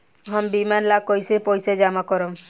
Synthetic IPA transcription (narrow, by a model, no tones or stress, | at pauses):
ɦɔmbimanlakojsepɔjsed͡ʒamakɔɾɔm